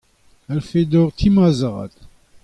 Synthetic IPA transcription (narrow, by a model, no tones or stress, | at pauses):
alfed̪ɔʁt̪ʰimazaʁɑ̰t̪